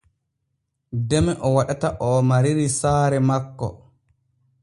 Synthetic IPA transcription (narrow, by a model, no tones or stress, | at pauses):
dɛmɛʔɔwaɗataʔɔmaɾiɾisaːɾɛmakːɔ̰